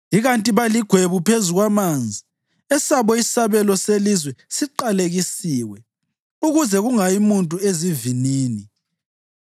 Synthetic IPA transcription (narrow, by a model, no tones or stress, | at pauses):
iɣantʼiβaliɡ̥ʱweβupʰezuɣwamand͡zʱi | ɛsaβɔisaβɛlɔselizwɛsiǃaleɣisiːwɛ | uɣuzɛɣuŋajimuntʼueziviniːni